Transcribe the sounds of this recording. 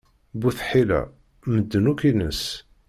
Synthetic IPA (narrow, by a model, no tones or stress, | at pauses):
buθħilæ̰ | məd̪ːənukinəs